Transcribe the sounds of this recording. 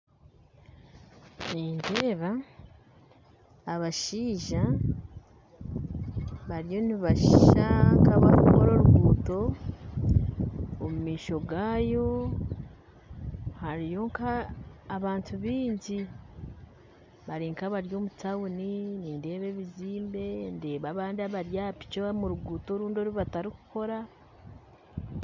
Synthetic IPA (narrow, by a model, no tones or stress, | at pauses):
niːnde̞ːβa | βaʃiːʒa | βaɾijo̞niβaʃʃakaβakuko̞ɾo̞ɾuɡwuːto̞ | omumiːʃo̞ɡaːjo̞ | haɾijo̞ŋkaːβaːntʰuβiːɲɟi | βaɾiːŋkaβaɾjo̞ːmutawuniniːnde̞ːβe̞βiziːmbe̞nde̞ːβaβaːndiaβaɾjapi̥t͡ʃomuɾuɡuːto̞ːɾuːndo̞ɾiβataɾiku̥ko̞ɾa